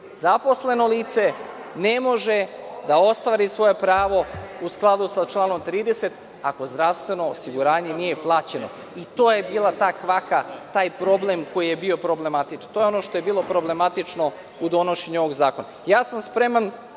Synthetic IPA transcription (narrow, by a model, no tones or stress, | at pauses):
zapo̞sle̞no̞liːt̪se̞ | ne̞mo̞ʒe̞d̪ao̞st̪ʋaːɾisʋo̞je̞pɾaːʋo̞usklˠad̪usat͡ʃlˠaːno̞mt̪ɾiːd̪e̞set̪ | ako̞zd̪ɾaʋst̪ʋe̞no̞ːsiɡuɾaːɲe̞nijeplˠaːt͡ɕe̞no̞̰ | it̪o̞ːjebiːlˠat̪aːkʋakat̪aːjpɾo̞ble̞mko̞jije̞bio̞pɾo̞ble̞mat̪it͡ʃant̪o̞ːjeo̞no̞ʃt̪o̞je̞biːlˠo̞pɾo̞ble̞mat̪it͡ʃno̞ | ud̪o̞no̞ʃeɲuoʋoɡzaːko̞najaːsamspɾe̞man